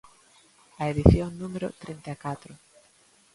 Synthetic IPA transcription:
ɐeðiθjoŋnũmeɾʊ̰t̪ɾint̪akat̪ɾʊ

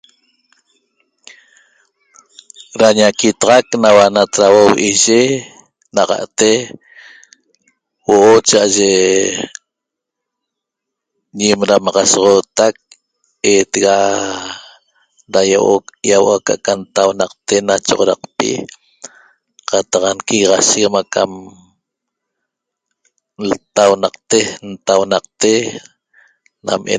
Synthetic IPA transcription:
ɾaɲakit̪ɑʁɑknawanat̪ɾawowʔiʒe | naʁɑ̰ʔt̪e | woʔot͡ʃaʔaʒe | ɲimɾamɑʁɑsʁot̪ak̚ | eːt̪eɣa | ɾajaʔojawaka̰ʔkant̪awnɑq̚t̪enat͡ʃoʁoɾaq̚pḭ | qɑt̪ɑqankiɣʁɑʃikmakam | lt̪awnɑqt̪ent̪awnɑq̚t̪e | na̰mʔḛ

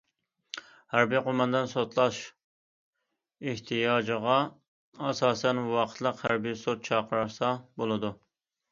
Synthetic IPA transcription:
hæɾbijqʰomɑnd̪ɨnsot̪lˠɑʃ | eht̪ʰijɑːd͡ʒəʁɑ | ɑsɑːsɛnwɑqʰət̪ʰlˠəqhæɾbijsot̪̚t͡ʃʰɑqʰəɾɑɾsɑbolˠɨd̪u

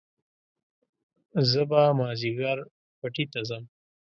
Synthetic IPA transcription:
zəbamɑːziɡɑɾ | paʈit̪azəm

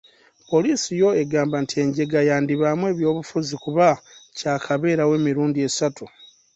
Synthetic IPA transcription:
po̞liːsijo̞e̞ɡaːmbantie̞ɲɟe̞ɡajaːndiβamwe̞ːβjo̞ːβufuzikuβacaːkʰaβe̞ːɾawe̞ːmiɾuːndie̞satu

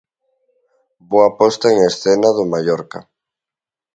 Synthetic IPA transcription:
boapɔst̪aeŋesθenaðʊmaʎɔɾka̰

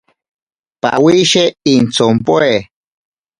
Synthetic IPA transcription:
pa̰ʔwiʃeint͡sompoe

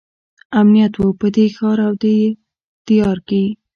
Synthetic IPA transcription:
amnijat̪wupəd̪exɑɾawd̪əje | t̪ijɑɾkawi

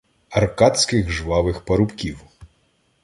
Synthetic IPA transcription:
ɐrkat̪sʲkɪɣʒʋɑʋɪxpɐɾʊpkʲiw

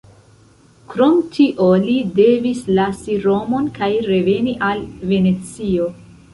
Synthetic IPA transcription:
kɾo̞mtʰiʔo̞lide̞vislasiɾo̞mo̞nkajɾe̞ve̞niʔalve̞ne̞t͡sio̞

